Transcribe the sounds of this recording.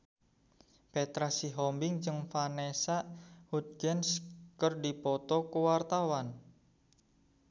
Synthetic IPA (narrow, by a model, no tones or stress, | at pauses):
pet̪ɾasiɦɔmbɪŋt͡ʃɨŋfanesaʔhut̪̚ɡɛnskərdipɔt̪ɔkuwart̪awan